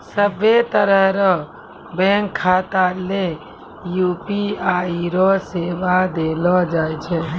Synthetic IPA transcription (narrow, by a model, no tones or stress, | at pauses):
səbet̪əɾəɦɾɔ | bɛ̃ːŋkʰːaːt̪ale | juːpiaːiɾoseːʋad̪eːlɔd͡ʒaːjt͡ʃʰe